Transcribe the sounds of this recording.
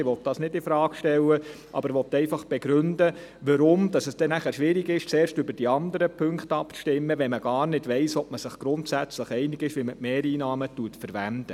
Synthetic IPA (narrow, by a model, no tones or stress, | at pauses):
ɪʋɔt̚d̥ɑːsnɪdɪfɾɑːkʃtɛlːə | ʔɑ̰b̥əɾvʋɔt̪ːɛɪfɑχb̥ɛɡɾʏndə | ʋəɾʊmd̥ɑsɛsd̥ɛnæχæɾʃʋɪɾɪɡɪʃt͡seːɾʃtʏbəɾd̥iɑndəɾəpʰɵŋktɑpʃtɪmːəʋɛməɡ̥ɑːɾnɪdʋɛɪsɔp̚məsɪχɡ̥ɾʊntsæt͡sləχɛɪnɪɡɪʃʋiməmeːɾiːnɑːmətuətfəɾʋændə